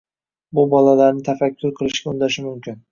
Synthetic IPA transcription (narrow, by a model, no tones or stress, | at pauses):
bʊbɒlalaɾnɪt̪ʰafakʲʰːʊɾqʰɨlˠɪʃkʲaʊnd̪aʃɪmʊmkʲʰɪn